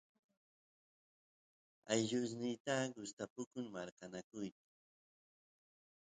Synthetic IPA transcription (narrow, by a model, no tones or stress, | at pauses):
ajʎʊs̬nɪjt̪aɡʊst̪apʊkʊŋmaɾkanakʊjt̪ḁ